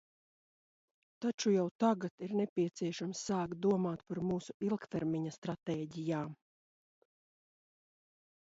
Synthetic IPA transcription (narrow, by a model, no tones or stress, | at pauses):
t̪at͡ʃujawt̪aɡat̪iɾnɛpʲiɛt̪siɛʃamsːaːkt̪̚d̪uɔmaːt̪paɾmuːsuilˠkt̪ɛɾmiɲɐst̪ɾat̪eːɟijaːm